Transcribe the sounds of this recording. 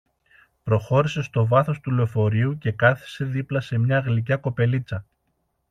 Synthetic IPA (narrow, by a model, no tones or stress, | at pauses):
pɾo̞xo̞ɾise̞st̪o̞vɐθo̞st̪uleo̞fo̞ɾiuce̞kɐθi̥se̞ðiplɐse̞mɲɐːɣlic̬ɐko̞pe̞lit͡sɐ